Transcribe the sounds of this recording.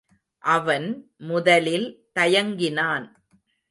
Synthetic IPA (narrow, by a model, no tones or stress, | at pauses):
ʔɐʋɐnmʊðɐlɪlt̪ɐjɐŋɡɪnaːn